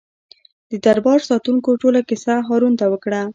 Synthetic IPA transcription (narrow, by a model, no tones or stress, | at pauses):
d̪əd̪aɾbɑɾsɑt̪uŋkoʈolakɪsaɦɑɾunt̪awəkɽa